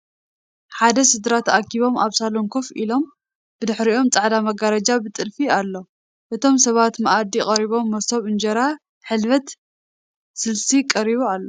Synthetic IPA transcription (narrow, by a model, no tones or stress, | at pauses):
ħad̪ɐsɨd̪ɾat̪ʰɐʔakːiβo̞maβsaloŋkʰofilo̞m | bɨd̪ɨħɾiʔo̞mt͡sʼaʕd̪amɐɡaɾɐd͡ʒabɨt̪ʼɨlfialːo̞ | ʔɨt̪ʰo̞msɐβat̪mɐʔad̪ikʼɐɾiβo̞mːɐsoβɨnd͡ʒɐɾa | ħɨlβɐt̪ | sɨlsikʼɐɾiβoalːo